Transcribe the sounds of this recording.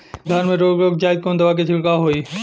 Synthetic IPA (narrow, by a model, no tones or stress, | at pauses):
ɡ̪ʱɐɾmẽɾoːɡɾoːɡd͡ʒaːɪd̪̚kond̪ɐʋaked͡ʑʰɪlkaɦoːiː